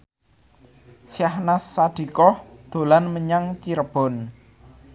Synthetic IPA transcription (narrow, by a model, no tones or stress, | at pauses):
sjahnasːaɖ̪̥i̤kɔhd̪̥o̤lanməɲaŋt͡ʃiɾəb̥ɔ̤n